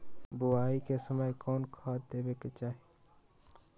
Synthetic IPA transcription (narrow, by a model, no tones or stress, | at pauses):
bʊaːikesəməjkɔːnkʰaːt̪d̪eːbeket͡ʃaːɦe